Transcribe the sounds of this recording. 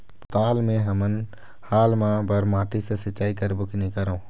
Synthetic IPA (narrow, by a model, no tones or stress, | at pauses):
t̪aːlmẽɦəmən | haːlmãbəɾmaːʈisesɪt͡ʃaːikəɾbʊkʰnikəɾõː